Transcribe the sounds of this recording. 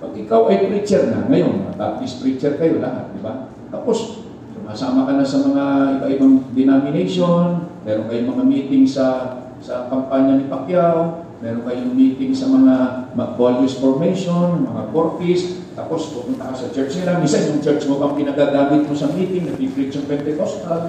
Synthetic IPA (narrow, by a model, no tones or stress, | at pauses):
pɐɡʔɪkawʔɐjpɾit͡ʃɛɾnɐ̰ŋɐjo̞nŋa̰t̪a̰ːt̪ispɾit͡ʃɛɾkɐjo̞laha̰t̪̚d̪ɪba | t̪apo̞s | kʊŋasaːmɐkɐnasɐmɐŋaʔɪbaʔɪbaŋd̪ɪnamɪnejʃo̞nmɛːɾonkɐjoŋmɐŋamiːt̪ɪŋsɐ | sɐkɐmpaɲɐnɪpɐkjaw | mɛːɾonkɐjoŋmiːt̪ɪŋsɐmɐŋamɐɡ̚balʔɪsfoɹmejʃo̞nmɐŋapoɹt̪ɪs | t̪a̰ːpo̞spʊmʊnt̪ɐkasɐt͡ʃɛɹt͡ʃnɪlamisanʊŋt͡ʃɛɹt͡ʃmobɐŋpɪnaɡaːɡaːmɪt̪̚mosɐmiːt̪ɪŋnɐpipɾit͡ʃɐŋpɛnt̪ɛkost̪al